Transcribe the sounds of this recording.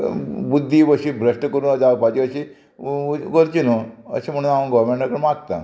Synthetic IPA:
bud̪ʱːiʋəɕibʱɾəʂʈkəɾuːnəd͡zapad͡ʑiʋəɕi | kəɾt͡ɕinoə̰ɕem̤əɽ̃uːnapənɡɔʋɾmeɳʈakəɽmaɡt̪a

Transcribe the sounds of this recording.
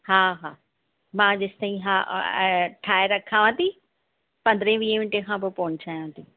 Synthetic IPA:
haːɦaː | mãːd͡ʑɪst̪aĩɦa̰ | ʈʰaːeɾɐkʰːaːʋãt̪i | pɐ̃nd̪ɾẽʋiːẽʋɪ̃ɳʈekʰãːpopoːɲt͡ɕʰaːjãt̪ʰi

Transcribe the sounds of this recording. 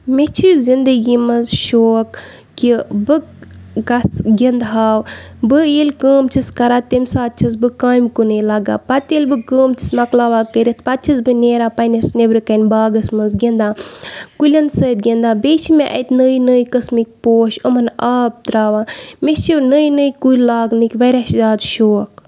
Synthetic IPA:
met͡ʃʰizind̪əɡiːmɐzʃoːkː | ibɨ | ɡɐsɡʲend̪ɦaːw | bɨilkəːmt͡ʃʰiskɐɾaːt̪emʲsaːt̪̚t͡ʃʰɐs̬bɨkaːjmkunelaɡa̰ːpɐt̪ilbɨkəːmt͡ʃʰi̥smɐklaːʋaːkəɾit̪̚ʰpɐt̪̚t͡ʃʰɐsbɨneːɾaːpɐnɐsnebɾɨkɐnbaːɡɐsmɐnzɡend̪ãːkulʲɐnsəːt̪̚ɡʲend̪aːbeːt͡ʃʰimeʔɐ̰t̪nəːjnəːjkɐsmik̚ʲpoːʃomɐnaːb̚t̪ɾaːʋãːmet͡ʃinəːjnəkuilaːɡnɨkʲʋɐɾʲaʃzaːd̪ʃoːk

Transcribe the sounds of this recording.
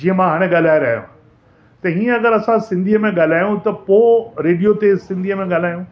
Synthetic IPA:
d͡ʑiːɦə̃mãɦaːɽ̃ẽɠaːl̤aːeɾɐɦijṵ̃ | t̪ɐɦĩːə̃ɐɡəɾɐsãsɪ̃nd̪ʱiəmẽɠaːl̤aːjũt̪ɐpoːɾeːɖijot̪esɪ̃nd̪ʱiəmẽɠaːl̤aːjũ

